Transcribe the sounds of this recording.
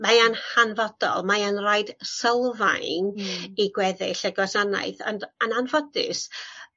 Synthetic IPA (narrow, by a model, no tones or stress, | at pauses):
maanhanvɔd̥ɔ̰lˠmaanrajd̥səlˠva̰jniɡwɛðɪ̰ɬɛɡwasana̰ɨðɔ̰ndananvɔdɪ̰s